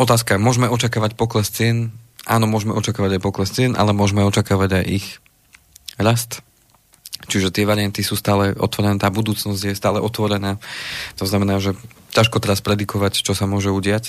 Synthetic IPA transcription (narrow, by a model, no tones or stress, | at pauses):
ɔt̪aːskamʊɔʒmɛɔt͡ʃakaːʋacpɔklɛst͡sɪɛnʔa̰ːnɔmʊɔʒmɛʔɔt͡ʃakaːʋaɟajpɔklɛst͡sɪɛnʔa̰lɛmʊɔʒmɛɔt͡ʃakaːʋaɟajʔix | ɾast̪ | t͡ʃiʒɛt̪ɪɛʋaɾɪjant̪isuːst̪aːlɛʔɔ̰t̪ʋɔɾɛnɛːt̪aːbud̪uːt͡snɔzɟjɛst̪aːlɛʔɔt̪ʋɔɾɛnaːt̪ɔznamɛnaːʒɛ | caʃkɔt̪ɛɾaspɾɛd̪ikɔʋact͡ʃɔsamʊɔʒɛuɟɪac